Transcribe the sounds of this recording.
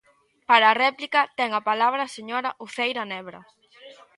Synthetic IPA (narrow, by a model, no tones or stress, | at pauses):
paɾɐːrɛplikɐt̪ɛŋɐpalaβɾɐseɲoɾɐʔuθejɾɐnɛβɾɐ̰